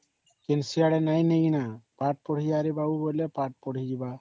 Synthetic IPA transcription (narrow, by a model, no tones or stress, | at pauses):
kensiaɽɛnajneɡinapaʈ̚pɔɽ̤ijaːɾibaubɔjlɛpaʈ̚pɔɽ̤id͡ʒiba